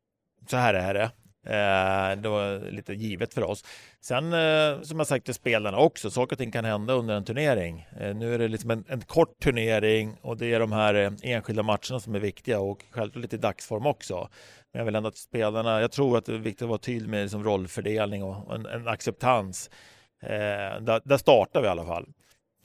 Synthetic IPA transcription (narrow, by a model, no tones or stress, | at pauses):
sɔhæːɾæɖɛ | d̪ɛvalḭːt̪əjiːvət̪fœɾɔ̰ssɛnsɔmjahasak̚t̪ɪspeːlaɳaɔksɔsɑːkəɾɔt̪ʰɪŋːkʰanhɛnd̪aɵnd̪əɾɛnt̪ʰɵɳeːɾɪŋnʉ̟ːæɖɛlɪksɔmɛnɛnkʰɔʈʰːɵɳeːɾɪŋɔd̪ɛæɖɔmhæːɾeːnɧɪld̪amat̪ʂəɳasɔmæɾvɪkt̪ɪɡaɔkɧɛlvklɑːʈɭɪt̪ɪd̪aksfɔɾmɔksɔ̰mɛnjavɪlɛnd̪ʊat̪speːlaɳajɑɡt̪ʰɾuːɾat̪̚d̪ɛvɪk̚t̪ɪt̪ɔvaːɾat̪ʰyːlmɛlɪksɔmɾɔlːfœɖeːlnɪŋɔɛ̰nɛ̰na̰ksɛp̚t̪ʰans | d̪æd̪æʂt̪ɑːʈaɾvɪalːafa̰lː